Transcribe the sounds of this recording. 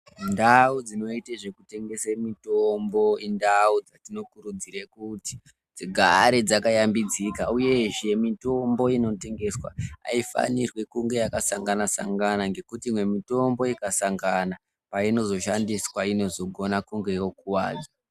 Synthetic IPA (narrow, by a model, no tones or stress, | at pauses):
ndaud͡zino̞iteʐe̞kute̞ŋɡe̞semitombo̞indaud͡zatino̞kuɾud͡ziɾekuti̥ | d͡ziɡʱaɾed͡zakajambid͡zikauje̞ʒe̞mito̞mbo̞ino̞te̞ŋɡe̞swa̰a̰ifa̰nirwe̞kuŋɡe̞jakasaŋɡanasa̰ŋɡanaŋɡe̞kutiːmwe̞mito̞mbo̞ikasaŋɡana | paino̞zo̞ʃandiswaino̞zo̞ɡʱo̞nakuŋɡe̞jo̞kuwa̰ːd͡za